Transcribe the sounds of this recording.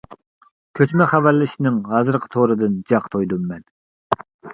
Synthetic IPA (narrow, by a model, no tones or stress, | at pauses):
kʲʰøt͡ʃ̪mɛχævæɾlːɪʃnɪŋɦɑːzɨɾqʰə̥t̪ʰoɾɨd̪ɨnd͡ʒɑqt̪ʰojd̪umːɛn